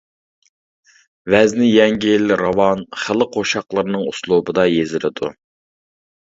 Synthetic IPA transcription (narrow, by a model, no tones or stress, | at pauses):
vɛznɪjɛŋɡʲilɾɑwɑnχəlˠɪqʰoʃɑqlˠəɾɨnɨŋuslˠubɨd̪ɑjezɪlɪd̪ṵ